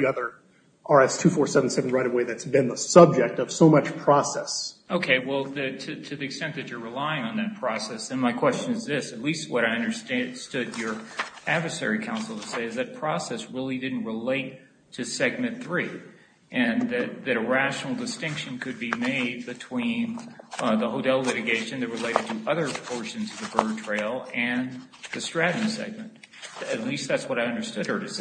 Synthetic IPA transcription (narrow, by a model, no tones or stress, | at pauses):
ʌðə˞ | ɑɹɛstʰʉfɔɹsɛvn̩sɛvn̩ɹaɪɾəweɪðɨtsb̥ɨ̃nðəsʌb̚d͡ʒɛk̚tʌv̥soʊmʌt͡ʃpʰɹ̥ɔsɛsoʊkʰeɪwɛlˠðɨtʰɨtʰɨðiɨkstɛ̃nðɨt͡ʃə˞ɹɨlaɪɪ̃ŋə̃nðɨt̚pʰɹ̥ɔsɛsɨ̃nmaɪkʰw̥ɛst͡ʃɨ̃nɨzðɪsɨtˡlist̚wʌɾaɪʌ̃ndə˞ststʊd͡ʒə˞ædvə˞sɛ̰ɹikʰãʊ̃nsl̩ˠtʰɨseɪɨzðɨt̚pʰɹ̥ɔsɛsɹɪlˠidɪdⁿn̩ʔ̚ɹəleɪtʰ | ɨsɛɡ̚mɨ̃nθɹi | ʔɨ̃nðɨt̪̚ðɨɾɨɹæʃnl̩ˠdɨstɪ̃ŋkʃɨ̃nkʰɨd̚bimeɪd̚bɨtʰw̥ĩnðəɦoʊtʰɛlˠlɪɾɨɡeɪʃɨ̃nðɨt̚ɹɨleɪɾɨd̚tʰɨʔʌðə˞pʰɔɹʃɨ̃nzʌvðɨbɜ˞tʰɹ̥eɪlˠɨ̃n | ðɨstɹ̥æɾn̩sɛ̰ɡ̚mɨ̃nt̪ | ɨtˡlist̪̚ðætswʌɾaɪʌ̃ndə˞stʊd̚ə˞ɾɨs